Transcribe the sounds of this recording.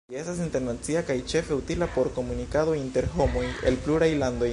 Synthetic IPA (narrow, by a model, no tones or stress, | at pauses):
est̪as̬int̪e̞ɾnat͡siakajt͡ʃe̞fe̞ut̪ilapo̞ɾko̞munikaðo̞int̪e̞ɾxomojḛlpluɾajland̪o